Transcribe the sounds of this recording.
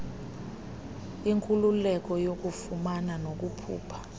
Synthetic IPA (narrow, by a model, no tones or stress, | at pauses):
iŋkʼululɛk̬ʼɔjok̬ʼufumananok̬upʰṵːpʰḁ